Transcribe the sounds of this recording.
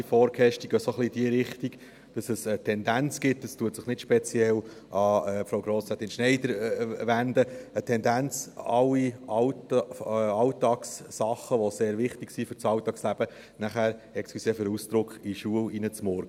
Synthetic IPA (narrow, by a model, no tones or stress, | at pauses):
ifɔːɾkʰɛʃtiɡ̥øsoχliːd̥iəɾɪχt̪iɡ̥ | d̥ɑsəsətʰɛnd̪ænt͡sɡ̥ɪt̚dɑstuətsɪχnɪtʃpɛt͡siɛl | ʔɑɛːpfɾoʊwɡɾoːst͡sɛt̪ɪnʃnɛɪd̪əɾʋænd̪əətʰɛnd̪ænt͡sɑlːiɑ | ɑʊtɑːksːɑχəʋɔseːɾʋɪχtɪksifʏɾt͡sɑwt̪ɑkslæb̥ə | næχæːɾɛkskysɛfɪɾust̪ɾʊkχiʃuəlinət͡smɔɾɡə